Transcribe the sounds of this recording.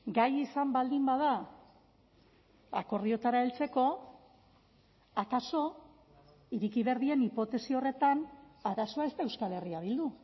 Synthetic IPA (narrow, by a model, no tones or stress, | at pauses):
ɡajisambald̪imbað̞a | a̰ko̞ɾðio̞t̪aɾaelt͡se̞ko̞ | akaso̞ | iɾikiβe̞ɾð̞ie̞nipo̞t̪e̞sio̞re̞t̪anaɾaso̞ae̞st̪ae̞wskale̞riaβ̞ild̪u